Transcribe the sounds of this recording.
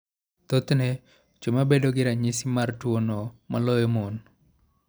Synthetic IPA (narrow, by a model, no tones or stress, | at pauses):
t̪ot̪nɛ | t͡ʃomabedoɡɪɾaɲisimartwonɔmalɔjomon